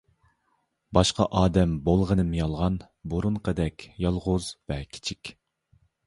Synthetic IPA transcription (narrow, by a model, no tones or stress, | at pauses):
bɑʃqɑʔɑːd̪ɛmbolˠʁənɨmjɑlˠʁɑn | boɾuɴqʰəd̪ɛkʲjɑlˠʁʊzvɛkʲʰi̥t͡ʃʰikʲ